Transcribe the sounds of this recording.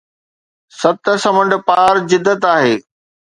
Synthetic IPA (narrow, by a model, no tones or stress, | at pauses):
sɐt̪̆sɐmə̃ɳɖ̆paːɾzɪd̪ːət̪aːɦeː